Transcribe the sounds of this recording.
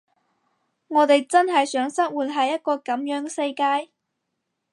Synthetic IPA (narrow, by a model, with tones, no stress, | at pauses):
ŋɔː˨˧t̪e˨jt͡sɐ˥nɦɐ˨jsœː˨˥ŋsɐ˥t̚wuː˨˩t̚ɦɐ˨jːɐ˥t̚kɔː˧kɐ˨˥mjœː˨˥ŋsɐ˧jkaː˥j